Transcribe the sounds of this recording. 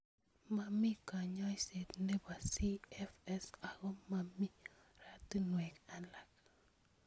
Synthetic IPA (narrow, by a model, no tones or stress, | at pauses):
mamikaɲɔjset̪nɛbasiɛfɛsaɡɔmami | ɾatinwɛkalak̚